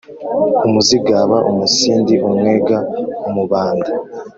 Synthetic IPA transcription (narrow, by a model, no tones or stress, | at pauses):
umuziɡaβaʔomusiːndiʔomŋweːɡaomuβaːnda